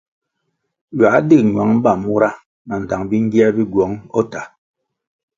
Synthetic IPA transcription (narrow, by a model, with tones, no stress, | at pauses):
ɥa˨˦dɨ˦˨ɲwa˨˦ŋ˦ba˨mu˦ɾa˦ | na˨n̩˨ta˨ŋbi˦ŋ̩˦ɡi˦a˦bi˦ɡwɔ˨˦ŋɔ˦ta˨